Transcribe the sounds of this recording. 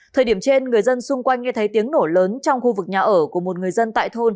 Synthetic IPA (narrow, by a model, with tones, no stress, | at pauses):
t̪ʰəː˨˩ɗi˧˩əmt͡ɕe˧nŋɨ˨˩əjzə˧nsʊ˧ŋ͡mkwa˧jŋ̟ŋɛ˧t̪ʰə˨˦jt̪i˨˦əŋno˧˩ləː˨˦nt͡ɕɔ˧wŋ͡mxu˧vɨ˨˩k̚ɲaː˨˩ʔəː˧˩ku˧˩əmo˨˩t̚ŋɨ˨˩əjzə˧nt̪a̰ː˧˨jt̪ʰo˧n